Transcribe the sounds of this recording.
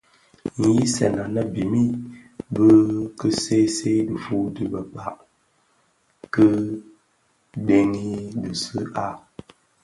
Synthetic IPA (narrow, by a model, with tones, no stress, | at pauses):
ŋ̩˨ji˦sɛ̰˨na˨nə˦bi˨mi˦bə˦kə˦se˦se˦də˨fu˦tɨ˦bə˨k͡pa˦˨ʔ | kə˦ | de˦ŋi˦dɨ˨sɨ˦a˦˨